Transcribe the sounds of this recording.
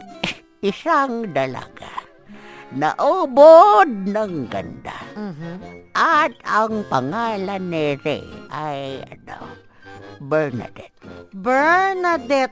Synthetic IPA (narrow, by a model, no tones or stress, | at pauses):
ʔɪsaŋd̪ɐla̰ɡ̥a | nɐ̰ʔobod̪̚naŋɡɐ̰nd̪a | ʔat̪ɐŋpɐŋaːlanːɪɾɛ̰ʔajɐ̰d̪a̰w | bɛɹna̰d̪ɛt̪̚bɛɹnad̪ɛt̪̚